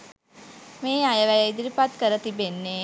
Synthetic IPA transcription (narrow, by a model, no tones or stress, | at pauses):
meːajəʋæjd̪ɾipat̪kəɾət̪ibenːe